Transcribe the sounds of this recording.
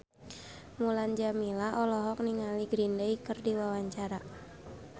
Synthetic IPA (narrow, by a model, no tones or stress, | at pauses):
muland͡ʒamilaʔɔlɔɦɔk̚niŋaliɡɾindaikərdiwawaɲt͡ʃaɾa